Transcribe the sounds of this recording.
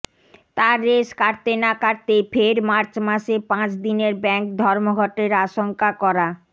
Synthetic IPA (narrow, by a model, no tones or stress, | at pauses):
t̪aɾːeʃkaɾt̪enakaɾt̪efʰeɾmaɾt͡ɕmaʃepãt͡ɕd̪ineɾbɛŋk̚d̪ʱɔɾmoɡʱɔʈeɾaʃoŋkakɔɾa